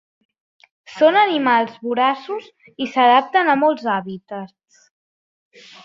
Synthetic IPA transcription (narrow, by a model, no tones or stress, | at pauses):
sonənimalˠzβuɾasuz | isəð̞ap̚t̪ənəmɔlˠzaβit̪ə | s